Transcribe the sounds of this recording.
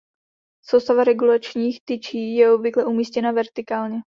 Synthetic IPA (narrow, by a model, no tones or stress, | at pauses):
sowst̪avaɾɛɡulat͡ʃɲiːxt̪ɪt͡ʃiːjɛobvɪklɛʔumiːscɛnavɛɾt̪ɪkaːlɲɛ